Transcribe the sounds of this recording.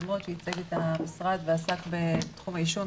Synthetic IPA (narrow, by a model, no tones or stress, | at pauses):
mot̪it͡seɡet̪amisʁad̪veasakbe̞t̪χumhaiʃo